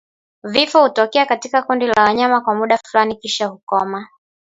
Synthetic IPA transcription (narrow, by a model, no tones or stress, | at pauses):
vifɔhutɔkɛakatikakundilawaɲamakwamuɗafulanikiʃahukɔma